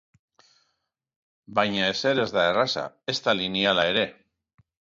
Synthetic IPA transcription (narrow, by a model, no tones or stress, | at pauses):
bajɲae̞se̞ɾe̞zðaerasa̰ | e̞st̪alinialaeɾe̞